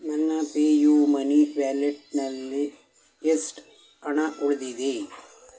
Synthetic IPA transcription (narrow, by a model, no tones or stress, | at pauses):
mɐnːapeːjumɐniʋaːleʈ̚nɐlːi | esʈ | ɐɳaʔuɭd̪id̪i